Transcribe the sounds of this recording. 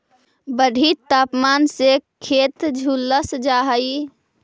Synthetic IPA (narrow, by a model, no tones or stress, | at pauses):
bəɖʱit̪aːpmaːnsekʰeːt̪d͡ʒʱulːəsd͡ʒaːɦəi